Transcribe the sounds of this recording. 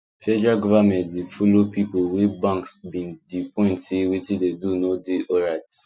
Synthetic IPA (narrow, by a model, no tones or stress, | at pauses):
fɛd͡ʒɹaɡɔvamɛ̃ntdefɔlopipowɛbãŋksbĩndipʰɔ̃ɪ̃ntsewitĩdedunodeɔɹaɪt